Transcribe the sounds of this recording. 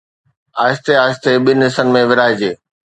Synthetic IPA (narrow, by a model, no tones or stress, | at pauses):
aːst̪eaːst̪eɓɪnɦɪsənɪ̆mẽʋɪɾaːɪd͡ʑeː